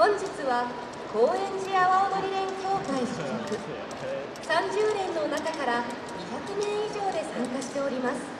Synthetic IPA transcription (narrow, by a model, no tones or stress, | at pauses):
hõ̞ɲ̟d͡ʑit͡sɨβa | ko̞ːẽ̞ɲ̟d͡ʑiaβaomoɾʲiɾẽ̞ŋkʲo̞ːkaiɕɨ̥kokɯ̟ | sãɲd͡ʑɨːnẽ̞nːo̞nakakaɾa | ɲʲiçakɯ̟nẽ̞ɰ̃iʑo̞ːd̪e̞sãŋkaɕi̥t̪e̞o̞ɾʲimasɨ̥